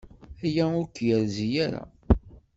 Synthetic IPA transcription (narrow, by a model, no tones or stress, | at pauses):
æjæʊɾkːjəɾzijaɾa̰